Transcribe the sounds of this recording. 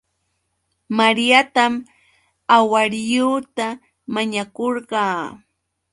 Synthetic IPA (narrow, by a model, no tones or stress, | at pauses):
maɾjat̪am | awaɾjuːt̪a | maɲakoɾɢɑː